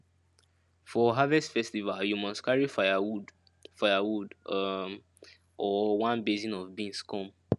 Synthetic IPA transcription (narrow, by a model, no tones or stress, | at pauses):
fɔɦavɛstfɛstivaljumɔstkʰaɹifajawud | faɪawud | ʔɔwãnbezĩnɔvbĩnskɔ̃m